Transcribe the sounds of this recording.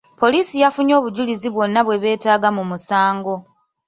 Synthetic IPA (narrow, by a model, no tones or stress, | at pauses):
po̞liːsijafuɲo̞ːβuɟuliziβwo̞nːaβwe̞βe̞ːtaːɡamumusaːŋɡo̞